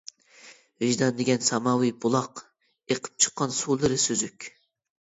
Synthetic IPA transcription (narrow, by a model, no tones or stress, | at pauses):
vɪʒd̪ɑnd̪ɪɡʲɛnsɑmɑwɨbulˠɑq | eqʰə̥p̚t͡ʃʰə̥qːɑnsulˠɨɾɨsøzykʲ